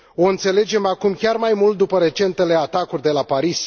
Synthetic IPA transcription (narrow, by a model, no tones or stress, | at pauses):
o̞ɨnt̪se̞le̞d͡ʒe̞makumkʲarmajmult̪̚d̪upəɾe̞t͡ʃe̞nt̪e̞le̞at̪akurʲd̪e̞lapaɾis